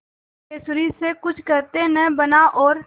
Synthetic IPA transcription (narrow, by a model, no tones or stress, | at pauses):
eːsʊɾisekʊt͡ʃʰkɐɾt̪enəbɐnaʔɔːɾ